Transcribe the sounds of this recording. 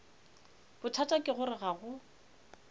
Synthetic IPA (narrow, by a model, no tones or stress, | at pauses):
b̥ʊtʰatʼakʼɪɣʊɾɪɣaɣʊ